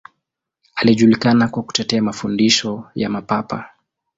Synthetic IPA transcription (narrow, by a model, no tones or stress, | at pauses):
aliʄulikanakwaku̥tɛtɛamafundiʃɔjamapapa̰